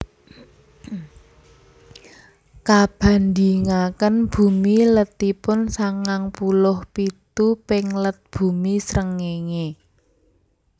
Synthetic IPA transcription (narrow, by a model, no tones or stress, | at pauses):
kab̥a̤nd̪iŋakənb̥ṳmilət̪ipʊnsaŋaŋpulʊhpit̪upɪŋlət̪̚b̥ṳmisɾəŋeŋe